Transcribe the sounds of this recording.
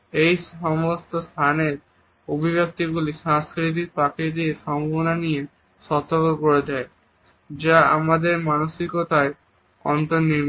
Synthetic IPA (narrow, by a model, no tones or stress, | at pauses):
ejʃɔmost̪ost̪ʰaneɾ | obʱibjak̚t̪iɡuliʃãŋskɾit̪̬ik̚pakid̪ieʃɔmbʱabonanije | ʃɔt̪ːokokoɾed̪ɛe | d͡ʑaamad̪eɾmanoʃikot̪ae | ɔnt̪onnːiɾm